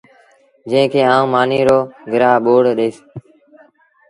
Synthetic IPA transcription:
d͡ʒə̃ːkʰeːaːũːmaːniːɾoːɡɪɾaːɓoːɽɗeːs

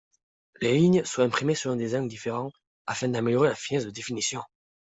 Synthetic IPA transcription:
leliɲswaɛ̃pχimesəlɔ̃d̪ezɑ̃ɡd̪ifeʁɑ̃ | afɛ̃d̪ameljɔʁelafinɛzd̪əd̪efinisjɔ̃

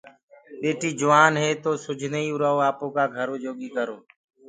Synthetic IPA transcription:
ɓeːʈiːd͡ʒʊʋaːnɦeːt̪oːsʊd͡ʒʱneiːʊɾaːoːaːpõːkaːɡʱəɾoːd͡ʒoːɠiːkəɾoː

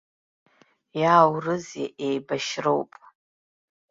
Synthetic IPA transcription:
jaːwrɨzḛʔejbaʃrowpʼ

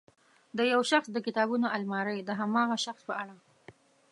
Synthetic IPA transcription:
d̪əjawʃaxsd̪əkɪt̪ɑbunoʔalmɑɾəjd̪əɦamɑɣaʃaxspəaɽa

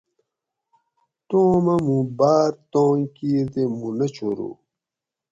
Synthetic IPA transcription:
t̪oːmɐmũbaːɾt̪õːŋkiːɾd̪emunɐt͡ɕʰoɾṵ

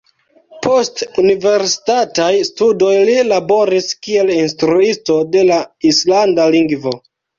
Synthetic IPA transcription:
pʰo̞stunive̞ɾsi̥tatajstudo̞jlilabo̞ɾiskie̞linstɾuisto̞de̞laislandaliŋɡvo̞

